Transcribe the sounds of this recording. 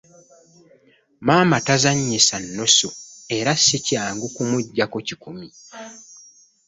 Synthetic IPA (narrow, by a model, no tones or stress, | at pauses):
maːmatazaɲːisanːo̞soe̞ɾasːicaːŋɡukumuɟːakocikumi